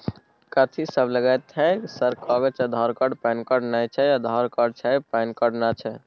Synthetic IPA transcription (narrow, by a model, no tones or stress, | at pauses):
kət̪ʰisəbləɡat̪ʰːɛ̃ksəɾkɔɡət͡ʃʰɛd̪ʱɔɾkɔɖpaɪnkɔɖnajt͡ʃʰɛjad̪ʱɔɾkɔɖ̚t͡ʃʰɛpankɔɖnat͡ʃʰɛ